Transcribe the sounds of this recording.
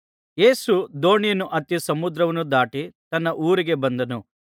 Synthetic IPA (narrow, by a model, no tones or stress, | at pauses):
je̞ːsud̪o̞ːɳijɐnuʔɐt̪jɐsɐmud̪ɾɐʋɐnud̪aːʈit̪ɐnːɐʔuːɾiɡe̞bɐnd̪ɐnu